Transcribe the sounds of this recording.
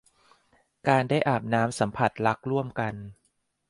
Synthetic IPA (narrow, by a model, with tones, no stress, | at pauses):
kaː˧ndaː˥˩jʔaː˨˩p̚naː˦˥msa˩˦mpʰa˨˩t̪̚la˦˥k̚ɾu˥˩əmka˧n